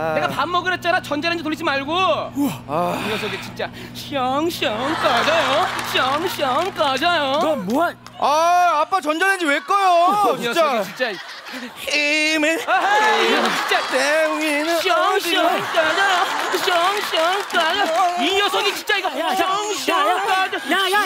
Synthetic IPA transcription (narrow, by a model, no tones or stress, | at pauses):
neɡapamːʌɡɯɾɦet̚t͡ɕ͈anat͡ɕʌnd͡ʑaɾɯnd͡ʑetoɭːid͡ʑimaɭɡo | ijʌs̬ʰʌɡit͡ɕint͡ɕ͈a | ɕʰʌŋɕʌŋkad͡ʑajoɕʰʌŋɕʌŋk͈ad͡ʑajomoa | aap͈at͡ɕʌnd͡ʑaɾɯnd͡ʑiwek͈ʌjoʌt͡ɕait͡ɕint͡ɕ͈ai | heme | t͡ɕint͡ɕ͈ateuŋinɯɕʌŋɕiʌŋkad͡ʑajoɕʰʌŋɕʰʌŋk͈ad͡ʑaijʌsʰʌɡit͡ɕint͡ɕ͈aiɡʌʌŋɕʌkad͡ʑ